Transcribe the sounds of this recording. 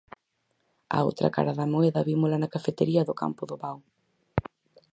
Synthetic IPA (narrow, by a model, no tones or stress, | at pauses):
a̰o̰wt̪ɾɐ̰ka̰ɾɐðɐmoɛðɐβimʊlɐnɐkafet̪eɾiɐðʊka̰mpʊðʊβaw